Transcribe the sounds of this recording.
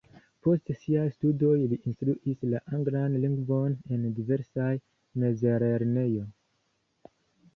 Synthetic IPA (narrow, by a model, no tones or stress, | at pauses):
po̞stsiajstudo̞jliʔinstɾuʔislaʔaŋɡlanliŋɡvo̞ne̞ndive̞ɾsaj | me̞zeɾeɾne̞jo̞